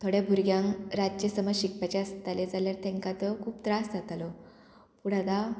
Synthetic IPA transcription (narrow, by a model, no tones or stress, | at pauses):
t̪ʰoɽebʱuɾɡjãŋɾad͡ʑt͡ɕjəsəməɕik̚pat͡ɕaəst̪aled͡zaljaɾt̪ɛ̃ŋkat̪əkʰuːpt̪ɾasd͡zat̪alɔ | puɽ̤ad̪a